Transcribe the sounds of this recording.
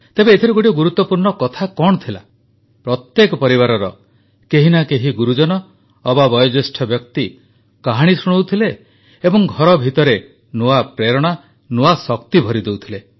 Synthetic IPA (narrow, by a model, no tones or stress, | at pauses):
t̪ebeːt̪ʰiɾuɡoʈiɡuɾut̪ːɔpuɾɳɔkɔt̪ʰakɔɳ̃ɔt̪ʰila | pɾɔt̪jekɔpɔɾiβaɾɔɾɔ | keɦinakeɦiɡuɾud͡ʒɔnɔː | babɔjɔd͡ʒesʈʰɔbjɔk̚t̪i | kaɦaɽ̃isuɽ̃owt̪ʰileː | bɔŋɡʱɔɾɔbʱit̪ɔɾe | nuapɾeɾɔɽ̃a | nuasɔkt̪ibʱɔɾid̪ewt̪ʰile